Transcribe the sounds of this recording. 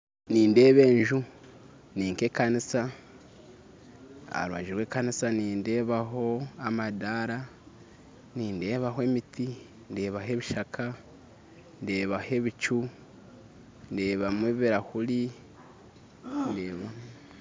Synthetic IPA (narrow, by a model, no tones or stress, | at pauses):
niːnde̞ːβe̞ːɲʒu | niːŋke̞ːkanisa | a̰ɾwa̰ʒiɾwe̞ːkanisaniːnde̞βaɦo̞amadaɾa | niːnde̞ːβaɦoe̞miti | nde̞ːβaɦe̞βiʃakʰa | nde̞ːβahe̞βit͡ʃu | nde̞ːβamweβiɾahuli | ndeːβa